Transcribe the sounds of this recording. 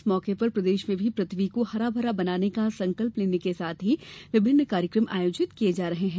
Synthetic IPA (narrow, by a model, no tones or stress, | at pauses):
smɔːkepɐɾpɾɐd̪eːʃmẽbʱipɾɐt̪ʰʋikohɐɾaːbʱəɾabɐnaːnekasɐ̃ŋkəlpleːnekesaːt̪ʰɦiʋɪbʱɪnːkaːɾjəkɾəmʔaːjoːd͡ʒɪt̪kijed͡ʒaːɾɐɦeɦɛ̃ː